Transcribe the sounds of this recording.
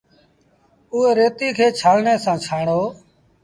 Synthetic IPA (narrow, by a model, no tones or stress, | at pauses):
ʊːɦeːɾeːt̪iːkʰeːt͡ʃʰaːlɳeːsãːt͡ʃʰaːɳoː